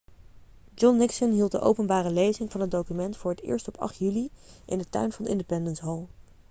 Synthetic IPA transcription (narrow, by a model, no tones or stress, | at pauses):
d͡ʒɔnːɪksənɦilˠt̚dəʔo̰wpənbaːrəlejzɪŋvɑnɦət̚dowkymɛntfʊːɹətɪ̰ːɹstɔpʰɑ̰χtjyliʔɪ̰ndətœ̰ɥnvɑndəɪ̰ndəpɛndənsɦolˠ